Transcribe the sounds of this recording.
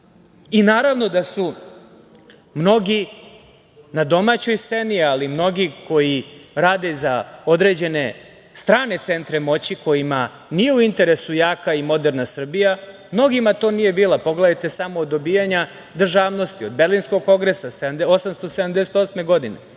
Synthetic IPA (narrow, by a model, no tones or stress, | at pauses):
inaːɾaʋno̞d̪asu | mno̞ɡi | nad̪o̞mat͡ɕo̞jst̪se̞nialimno̞ɡikʰo̞jiɾaːd̪e̞zao̞d̪ɾe̞d͡ʑe̞ne̞ | st̪ɾaːne̞t̪se̞nt̪ɾemo̞t͡ɕiko̞jima | nijeuint̪e̞ɾe̞sujaːkaimo̞d̪eɾnasr̩bija | mno̞ɡimat̪o̞ːnije̞biːlapo̞ɡled̪ajt̪e̞samoːd̪ːobiːjaɲa | d̪r̩ʒaːʋno̞st̪iod̪̚beɾlinsko̞ɡ̚ko̞ŋɡɾesasemd̪osamst̪osed̪amd̪eset̪o̞sme̞ɡo̞d̪inḛ